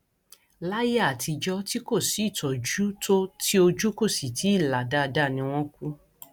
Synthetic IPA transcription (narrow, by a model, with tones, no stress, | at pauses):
la˦je˦a˦˨tʰi˧d͡ʒɔ˦ti˦ko˦˨si˨˦i˦˨tɔ˨d͡ʒu˦to˦ti˦o˧d͡ʒu˦ko˦˨si˨tʰi˨˦˨la˨da˦˧da˦˨nĩ˧˦w̃ɔ̃˦ku˦